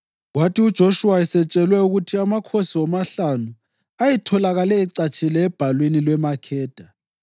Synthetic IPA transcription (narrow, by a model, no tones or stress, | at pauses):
watiud̥ʒ̥ʱoʃuwaɛsɛt͡ʃʼɛlwɛuɣutʰiamakʰosiɔmaɬanu | ajɛtʰɔlaɣalɛːǀat͡ʃʼilɛːb̥ʱalwenilwɛmakʰɛːd̥ʱa